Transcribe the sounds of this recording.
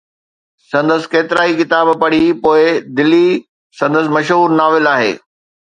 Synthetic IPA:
sɐ̃nd̪əsɪ̥keːt̪ɪɾaːikɪt̪aːbpɐɽ̤ipoːɪd̪ɪlːi | sɐ̃nd̪əs̬ɪ̆mɐʃɦuːɾnaːʋɪlaːɦḛː

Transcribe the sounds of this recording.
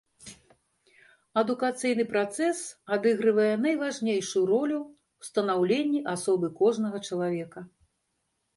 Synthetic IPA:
ɐd̪ukat̪sɨjnɨpɾat̪sɛsad̪ɨɣɾɨvɐjɛnɐjvaʐnʲejʂujuɾɔlʲu | wst̪ɐnawlʲenʲːiʔasɔbɨkɔʐnɐɣɐt͡ʂɐlˠavʲɛkɐ

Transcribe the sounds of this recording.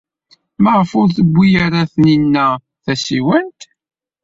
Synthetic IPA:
mæʁəfʊɾθəbʷːijaɾaθninːæ | θæsiwænt̪

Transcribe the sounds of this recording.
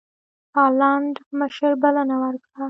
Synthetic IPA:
hɑlɑɳɖməʃəɾbalanawaɾkɽa

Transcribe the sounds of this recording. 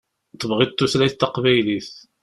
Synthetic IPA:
t̪ˤːəvʁit̪ːuθlæjθt̪ːɑqvæjliθ

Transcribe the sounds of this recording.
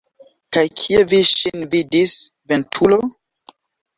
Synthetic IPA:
kajkʰieviʃinvidisventʰulo̞

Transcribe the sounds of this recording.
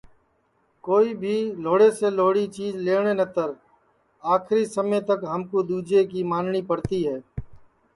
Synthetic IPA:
koːibʱiloːɽeseloːɽit͡ʃiːzleːɽ̃enət̪əɾ | aːkʰɾisəmẽt̪əkɦəmkod̪uːd͡ʒekimaːnnipəɽt̪iɦɛː

